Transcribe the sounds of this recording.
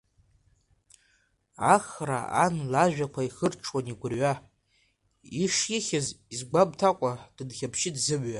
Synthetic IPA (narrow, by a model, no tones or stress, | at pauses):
aχra̰a̰nlaʒᶣakʷʰaiχərʈ͡ʂʰwaniɡʷʊrɥa | iʂɪχʲazizɡʷab̚tʰakʷʼad̥ɨdχʲapʰʃɪdzɨbɥa